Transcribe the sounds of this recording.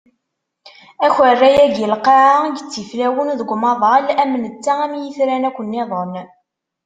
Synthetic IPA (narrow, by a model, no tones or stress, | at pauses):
æçərːæjæɡəlqɑʕaɡət͡sːiflæwənðəɡʷmɑðˤlæmːnət͡sːææmjiθɾænækʷːənːeðˤən